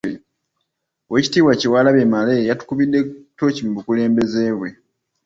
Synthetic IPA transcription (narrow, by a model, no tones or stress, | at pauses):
weci̥tiːβwaciwaːlaβemalejatu̥kuβidːe̞to̞cimubukule̞ːmbe̞ze̞βwe̞